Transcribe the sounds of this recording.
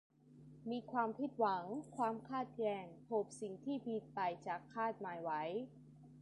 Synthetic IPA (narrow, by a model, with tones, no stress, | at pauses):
miː˧kʰwaː˧mpʰi˧˥˩t̪̚wa˩˦ŋkʰwaː˧mkʰaː˥˩t̪̚jɛː˧ŋpʰo˨˩p̚si˨˩ŋt̪ʰiː˥˩pʰi˧˩t̪̚pa˧jt͡ɕa˨˩kʰːaː˥˩t̪̚maː˨˧jwa˦˥j